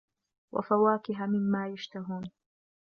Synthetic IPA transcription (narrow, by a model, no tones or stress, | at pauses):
wa̰fawaːkɪɦamɪmːaːjaʃt̪aɦuːn